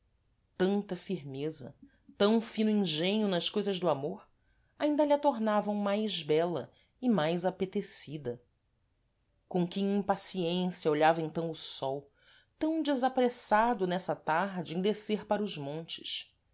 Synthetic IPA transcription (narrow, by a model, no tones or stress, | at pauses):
t̪ɐ̃nt̪ɐfiɾmezɐ̰ | t̪ɐ̃w̃fĩnʊĩʒẽɲʊnɐʃkojzɐzd̪ʊamoɾ | aĩnd̪ɐʎɐt̪oɾnavɐ̃w̃majzbɛlɐ̰ | ɪmajzapet̪esid̪ɐ | kõkẽĩpasiẽsiɐoʎavɐẽnt̪ɐ̃w̃ʊsɔw | t̪ɐ̃w̃d͡ʒɪzapɾesad̪ʊnɛsɐt̪aɦd͡ʒɪẽd̪eseɾpaɾɐʊzmõnt͡ʃɪ̥ʃ